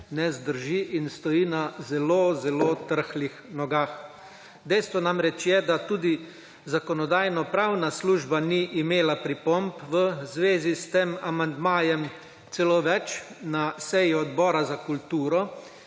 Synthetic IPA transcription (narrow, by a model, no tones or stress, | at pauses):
nɛzd̪əɾʒiʔinst̪ɔjiːnazɛloːzɛloːt̪əɾxlixnɔɡaːx | d̪ɛjst̪ʋɔnamɾɛt͡ʃjɛd̪at̪uːd̪i | zakɔnɔd̪aːjnɔpɾawnasluːʒbaniʔimeːlapɾipɔmpʋəzʋeːzist̪eːmamand̪maːjɛm | t̪sɛloːʋɛt͡ʃnasɛjiɔd̪bɔːɾazakult̪uːɾɔ